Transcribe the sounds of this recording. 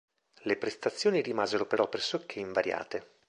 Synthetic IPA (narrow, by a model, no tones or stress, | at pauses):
lepɾest̪at̪sːjoːniɾimaːzeɾopeɾɔpːɾesokʰːeiɱvaɾja̰ːt̪e